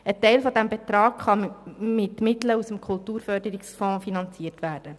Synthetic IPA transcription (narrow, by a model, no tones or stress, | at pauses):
ətɛɪlfɔdæmbɛt̪ɾɑːkχɑmɪtmɪtləusəmkʰʊltuːɾfœɾdəɾɪksfɔ̃ːfinɑnt͡siːərtʋæːɾd̥ə